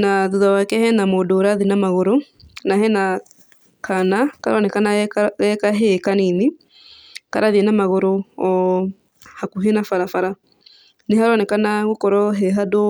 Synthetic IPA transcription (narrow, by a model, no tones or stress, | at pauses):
naðuðawakɛhɛnamodoːɾaðinamaɣoɾo | naɦɛna | kʰanakaɾwɔnɛkanaɣɛkaɦekanine | kaɾaðiɛnamaɣoɾoɔ | hakuɦenafaɾafaɾa | neɦaɾɔnɛkanaɣokɔɾɔɦɛɦado